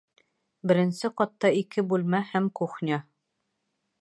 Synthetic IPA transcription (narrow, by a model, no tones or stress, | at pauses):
bɘ̆ɾɘ̆nsɘqɑt̪ːɑikʰɘbʉlmæhæmkuχnʲɑ